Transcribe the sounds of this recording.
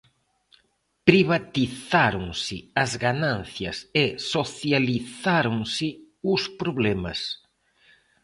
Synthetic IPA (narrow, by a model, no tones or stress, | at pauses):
pɾiβat̪iθaɾoŋsɪɐzɣanãnθjɐ̰sesoθjaliθaɾoŋsɪ | ʊspɾoβlɛmɐ̰s